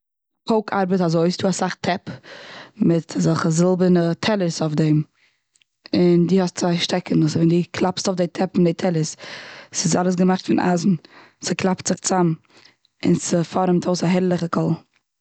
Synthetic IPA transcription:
kʰoʊkʰa̰ɾbətazoɪsduːasaχtʰɛp | mɪtʰazɔlˠχəzɪlˠbənətʰɛlˠəsɔfdɛm | ɪndiːhɔstt͡svaɪʃtɛkənʊsvɛndiːkʰlˠapstɔfdeɪtʰɛpɪndeɪtʰɛlˠəssɪs̬alˠəs̬ɡəmaχtfɪnʔa̰zn̩ | sɪklˠaptz̥ɪχt͡sam | ɪ̰nsəfɔɾəmtoʊsaɦɛɾlˠɪχəkʰɔlˠ

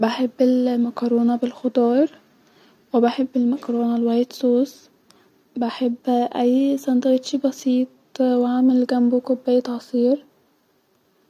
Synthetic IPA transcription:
baħebːɪlmɑkɑɾˤoːnɑbɪlxʊd̪ˤɑːɾˤ | wɪbaħebːɪlmɑkɑɾoːnɑlwæjɪt̪soːs | baħebːʔæjsɑnd̪ɑɣt̪ˤʃibɑsiːt̪̚ˤ | wʕaːmelɡæmbwkʊbːæjːt̪ʕɑsˤiːɾ

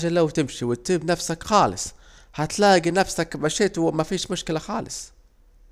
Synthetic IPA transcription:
ʒalawt̪ɪmʃiwɪt̪ːɪbnafsakxɑːlɪ̰sˤ | hat̪laːɡinafsakbaʃɪt̪mafiːʃmʊʃkɪlaxɑːlɪ̰s

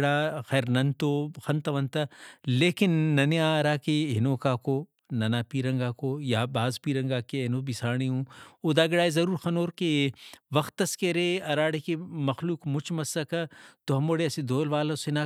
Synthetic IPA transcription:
ɽaːxɛːɾnɐnt̪oxɐnt̪ɐʋɐnt̪ɐleːkɪnːɐniaɾaːkeɦɪnoːkaːkoː | nɐnaːpiːɾɐ̃ŋɡaːkoːjabaːzpiːɾɐ̃ŋɡaːkeenobisaːɽ̃iɦũːod̪aːɡɪɽaːezɐɾuːɾxɐnoːɾkeʋɐxt̪ːɐskɐɾeːɐɾaːɽekemɐxluːkmʊt͡ʃʰmɐsɐkɐt̪oɦɐmoːɽeɐsed̪oːlʋaːlasenaː

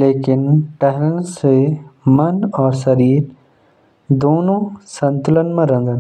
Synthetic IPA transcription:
leːkɪnʈɛɦɾə̃nsemɐnɔːɾsɐɾiːɾ | d̪oːnõsɐ̃nt̪ʊlənmãɾɐ̃nd̪ən

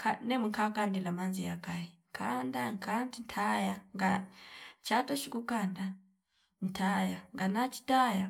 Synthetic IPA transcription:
kʰanɛmuŋkʰakandilamanzijakaiŋkʰandaŋkʰantintʰajaŋɡa | t͡ʃatɔt͡ʃikukanda | ntʰajaŋɡanat͡ʃi̥taja

